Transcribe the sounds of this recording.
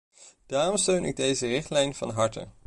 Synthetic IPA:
d̥aːrɔmstøɥnɪ̰ɡ̚dejzərɪχtlɛjnv̥ɑ̰nɦɑɹtə̰

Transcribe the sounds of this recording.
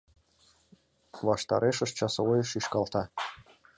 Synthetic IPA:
βɑʃt̪ɑ̰ɾeʃə̆ʃt͡ɕɑsɤojəʃiʃkɑlˠt̪ɑ

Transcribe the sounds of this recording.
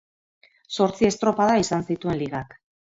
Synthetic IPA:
so̞ɾt͡sie̞st̪ɾo̞paðaisansit̪ue̞nliɣak

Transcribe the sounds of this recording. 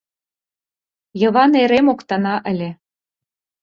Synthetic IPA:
jɤ̆βɑneɾemokt̪ɑnɑʔɘ̆lʲe

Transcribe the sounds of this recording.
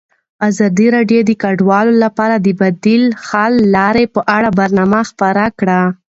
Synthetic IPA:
azɑd̪iɾɑɖjod̪əkaɖwɑlolapɑɾad̪əbad̪ilxɑlːɑɾepəʔaɽabaɾnɑmaxpaɾakɽa

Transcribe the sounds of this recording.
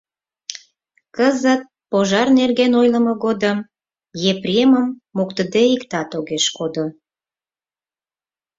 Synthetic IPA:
kəzət̪̚ | poʒɑrnerɣenojləməɣod̪əm | jeprʲeməmːokt̪əd̪eikt̪ɑt̪oɣeʃkod̪o

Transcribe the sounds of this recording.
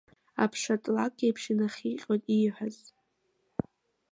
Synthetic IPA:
apʰʂatʼlakʼɡejpʰʂɪnaχʲiqʲʼotʼijħʷᶣaz

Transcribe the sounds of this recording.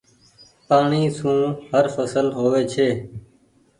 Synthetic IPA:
paːɳiːsũːhəɾfəsəlɦoːʋeːt͡ʃʰeː

